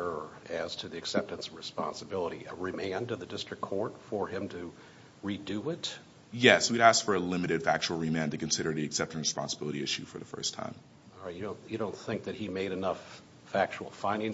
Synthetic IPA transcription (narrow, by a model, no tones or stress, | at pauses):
ə˞ɨz̥tʰɨðiɨksɛp̚tɨ̃nsɹɨspɑ̰̃nsəbɪlˠəɾḭʔɨɹɨmæ̃ndʌðɨdɪstɹ̥ɨkʰɔɹtfə˞ɪ̃mtʰɨ | ɹidɨɪt | jɛswiɾæstfə˞əlɪ̃mɨɾɨd̥fæk̚t͡ʃul̩ˠɹimæ̃ntɨkɨ̃n̩sɪɾə˞ðiɨksɛp̚tɨ̃nɹɨspɑ̰̃nsəb̥ɪlˠəɾiɪʃʉ̰fə˞ðəfɜ̰˞stʰã̰ɪ̃m | lˠɹaɪt̚jɨdõʊ̃njɨɾõʊ̃nθɪ̃ŋk̚ðɨt̚himeɪɾɨnʌfː | æk̚t͡ʃul̩ˠfãɪ̃ndɪ̃ŋ